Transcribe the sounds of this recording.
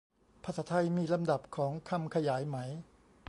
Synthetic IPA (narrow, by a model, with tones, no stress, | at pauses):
pʰa˧˥saː˦˥t̪ʰa˧jmiː˧la˧mda˨˩p̚kʰɔː˩˦ŋkʰa˧mkʰa˧jaː˩˦jma˩˦j